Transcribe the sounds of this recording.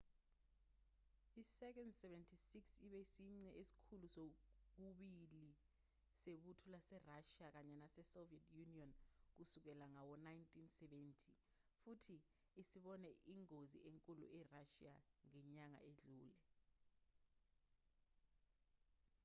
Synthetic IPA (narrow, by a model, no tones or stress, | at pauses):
isɛk̬ɛndsɛvɛntʰisiksiɓɛisiŋ͡ǀɛʔesi̥kʰulusok̬uɓili | seɓutʰulasɛraʃiak̬aɲɛnasɛsoviɛtʰjuniɔnk̬usuk̬ɛlaŋawɔnajntʰʼinsɛɓɛntʰi | futʰiː | siɓɔnɛʔiŋozḭʔeŋkʼulṵʔɛraʃiaŋɛɲaŋa̰ʔeɮuːlɛ